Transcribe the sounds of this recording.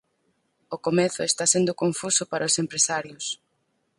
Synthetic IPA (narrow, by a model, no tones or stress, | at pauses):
ʊkomeθʊest̪asend̪ʊkoɱfusʊpaɾʔaosempɾesaɾjʊs